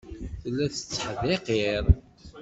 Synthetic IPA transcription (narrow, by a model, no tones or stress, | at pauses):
θəlːæθə̥t͡sːħðeqiɾˤ